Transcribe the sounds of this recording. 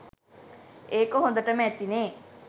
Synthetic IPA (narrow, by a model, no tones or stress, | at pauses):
eːkoɦõnd̪əʈəməæt̪ineː